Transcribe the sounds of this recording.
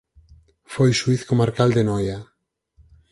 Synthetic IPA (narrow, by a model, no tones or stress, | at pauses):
fojʃwiθkomaɾkald̪enɔja